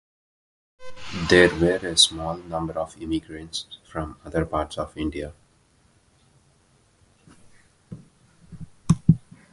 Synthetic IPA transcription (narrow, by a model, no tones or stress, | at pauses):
d̪eːɾʋeːɾesmɔːlnʌ̃mbəɾɔʋɪmiɡɾə̃ɳʈsfɾɔ̃mʌd̪əɾpaːɾʈsɔʋɪ̃ɳɖia